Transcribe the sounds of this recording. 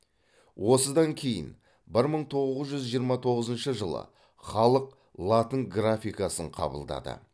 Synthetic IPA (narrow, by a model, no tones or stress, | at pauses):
wʔo̞səd̪ɑŋkʲʰe̞jɪ̰n | bɪɾməɴt̪ʰo̞ʁəzəzʒʏzʒijəɾmɑt̪ʰo̞ʁəzənʃəʒəlˠə̰ | χɑlˠəq | lˠat̪əŋɡrafʲijkɑsəɴqʰɑ̰bə̰lˠd̪ɑ̰d̪ə̰